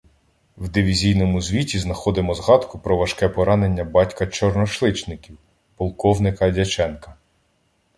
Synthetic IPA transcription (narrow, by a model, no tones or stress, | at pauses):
wd̪ɪʋʲizʲijnɔmʊzʲʋʲitʲiznɐxɔd̪ɪmɔzɦɑd̪kʊpɾɔʋɐʃkɛpɔɾɑne̞nʲːɐbɑtʲkɐt͡ʃɔrnɔʃlˠɪt͡ʃnɪkʲiw | pɔlˠkɔwnɪkɐdʲɐt͡ʃɛnkɐ